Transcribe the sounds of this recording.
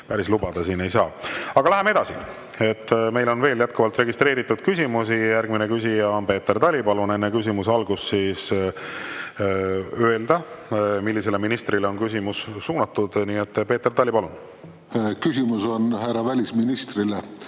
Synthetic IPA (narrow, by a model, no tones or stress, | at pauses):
pæɾislubɑd̪̥ɑsiːne̞jsɑːɑɡ̥ɑlæɦemee̞d̪̥ɑsḭ | e̞t̪ːme̞jlo̞nve̞ːljæt̪̚kuvɑlt̪re̞ɡist̪ɾe̞ːɾit̪ːˑud̪̥kysʲimusijærɡ̥minekysʲijɑonpe̞ːt̪ːert̪ɑlʲipɑlune̞nːekys̬ʲimusɑlɡusːiːs | øeld̪ɑmilːise̞le̞minist̪rileo̞nkys̬ʲimussuːnɑt̪ːud̪̥niːet̪ːpe̞ːt̪ːert̪ɑlʲːipɑlun | kysimusonhærɑvælʲisminist̪rile